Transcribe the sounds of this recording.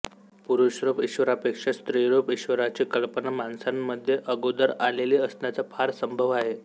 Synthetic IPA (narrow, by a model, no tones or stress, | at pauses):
puɾuɕɾopiɕʋəɾapekʂast̪ɾiɾopiɕʋəɾat͡ɕikəlpənamansamːəd̪ʱːjeʔəɡod̪əɾaleliːəsnjat͡sapʰaɾsəmbʱəʋaɦe